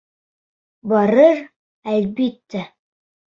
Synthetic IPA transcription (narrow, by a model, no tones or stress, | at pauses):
bɑɾɤɾ | ælbit̪ːæ